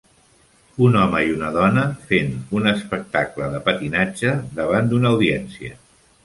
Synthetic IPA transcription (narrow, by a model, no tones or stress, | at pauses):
unɔməiunəðɔnəfenunəspək̚t̪akləðəpət̪inad͡ʒəðəβ̞and̪unəːwðiɛnsiə̰